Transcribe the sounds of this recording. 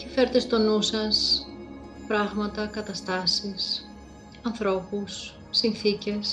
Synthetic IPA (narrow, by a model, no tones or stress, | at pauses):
tifeɾet̪est̪onusɐs | pɾɐɣmɐt̪ɐkɐt̪ɐst̪ɐsis | ɐnθɾo̞pusː | inθice̞s